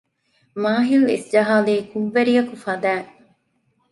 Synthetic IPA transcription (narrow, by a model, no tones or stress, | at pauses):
maːɦilḛsd͡ʒɐɦaːleːkuʋːeɾijɐkufɐd̪æː